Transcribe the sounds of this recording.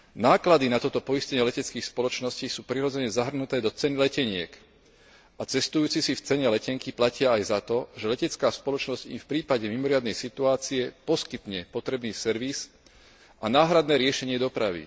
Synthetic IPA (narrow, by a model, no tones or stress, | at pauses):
naːklad̪inat̪ɔt̪ɔpɔiscɛɲɪɛlɛcɛt͡skiːxspɔlɔt͡ʃnɔsciːsuːpɾiɾɔd͡zɛɲɛzaɦr̩nut̪ɛːd̪ɔt͡sɛnilɛcɛɲɪɛ̰k | ʔat͡sɛst̪ujuːt͡sisift͡sɛɲɛlɛcɛŋkiplacɪaːjzat̪ɔʒɛlɛcɛt͡skaːspɔlɔt͡ʃnɔzcḭmfpɾiːpaɟɛmimɔɾɪad̪nɛjsit̪uaːt͡siɛpɔskit̪ɲɛpɔt̪ɾɛbniːsɛɾʋis | anaːɦɾad̪nɛːɾɪɛʃɛɲɪɛd̪ɔpɾaʋḭ